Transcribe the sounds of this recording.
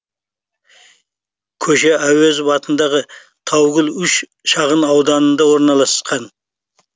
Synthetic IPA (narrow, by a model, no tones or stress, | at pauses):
kʲʰɵʃeæwezbɑt̪ənd̪ɑʁə | t̪ʰɑwɡʲʊlˠʏʃ | ʃɑʁənɑwd̪ɑnənd̪ɑwo̞ɾnɑlˠɑsqɑn